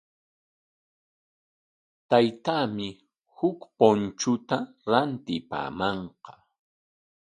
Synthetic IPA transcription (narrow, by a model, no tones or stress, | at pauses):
t̪ajt̪aːmɪ | hʊkpont͡ʃʊt̪a | ɾant̪ɪpa̰ːmɑɴqɑ